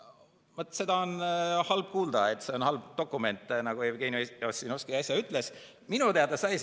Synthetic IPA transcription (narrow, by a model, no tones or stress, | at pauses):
mɤt̪ːˑse̞d̪̥ɑonhɑlb̥̚kuːld̪̥ɑet̪ːse̞o̞nhɑlb̥t̪o̞kːˑume̞nt̪ːˑnɑɡ̥uevɡenjoosinoskiɑsʲjɑyt̪ːˑle̞s | minut̪eɑd̪̥ɑsɑj